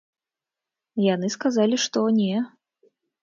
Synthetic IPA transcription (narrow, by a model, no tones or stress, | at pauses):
janɨskazalʲiʂt̪ɔnʲɛ